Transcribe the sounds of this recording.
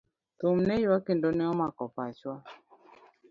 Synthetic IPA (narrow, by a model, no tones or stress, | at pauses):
tomnɛjwakendɔnɛɔmakɔpat͡ʃwa